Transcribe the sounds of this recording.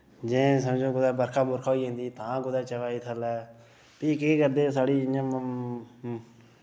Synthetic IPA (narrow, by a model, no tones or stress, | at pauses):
d͡ʒẽːs̬əmd͡ʒõːɡʊd̪aːbəɾkʰaːbʊɾkʰoːiːɦẽːnd̪iːt̪ãːɡʊd̪aːt͡ʃəʋaːiːt̪ʰəlɛː | piːkeːkəɾd̪eːs̬aːɽiːãː